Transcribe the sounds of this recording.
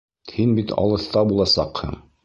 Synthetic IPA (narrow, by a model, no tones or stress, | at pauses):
hinbit̪ɑ̰lˠɤ̆θt̪ɑbulˠɑsɑ̰qhɤ̰m